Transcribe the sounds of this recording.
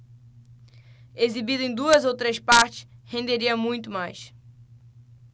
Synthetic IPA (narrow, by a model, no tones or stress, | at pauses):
ezibid̪ʊẽj̃d̪uɐzowt̪ɾespaɾt͡ʃɪ̥shẽnd̪eɾiɐmũj̃t̪ʊmajs